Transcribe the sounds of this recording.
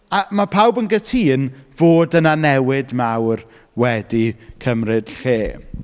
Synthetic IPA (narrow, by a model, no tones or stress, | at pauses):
amapʰawbənɡətʰiːnv̥oːdənanɛwɪdmawr | wɛdikʰəmrɨd̥ɬeː